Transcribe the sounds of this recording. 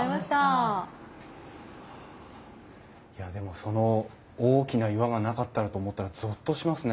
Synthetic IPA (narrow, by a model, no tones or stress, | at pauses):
imaɕt̪a | jad̪e̞mo̞so̞no̞ | oːkʲinaiβaɡanakat̪ːaɾɯt̪oːmo̞t̪ːaɾazɨt̪ːo̞ɕimasɨne